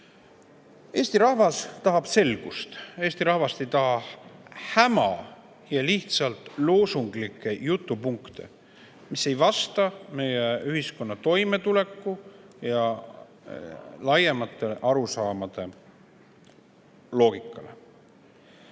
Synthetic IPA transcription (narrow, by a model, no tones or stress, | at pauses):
e̞ːst̪iɾɑhvɑst̪ɑɦɑb̥se̞lɡ̥ust̪eːst̪iɾɑhvɑst̪e̞jt̪ɑɦɑ | hæmɑ̰ | jɑliht̪sɑlt̪ˑlo̞ːsuŋɡ̥likːˑe̞jut̪ːˑupuŋkt̪e̞̰ | mise̞jvɑst̪ɑme̞jeyhisko̞nːɑt̪o̞jme̞t̪ule̞kːˑujɑ | lɑjemɑt̪ːˑe̞ʔɑɾusɑːmɑd̪̥e̞ | lo̞ːɡ̥ikːˑɑle̞̰